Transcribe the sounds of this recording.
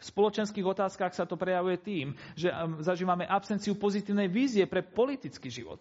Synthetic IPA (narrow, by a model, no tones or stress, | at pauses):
fspɔlɔt͡ʃɛnskiːɣɔt̪aːskaxsat̪ɔpɾɛjaʋujɛt̪iːmʒɛzaʒiːʋamɛʔapsɛnt͡siupɔzit̪iːʊnɛjʋiːzɪɛpɾɛpɔlit̪it͡skiːʒḭʋɔ̰t̪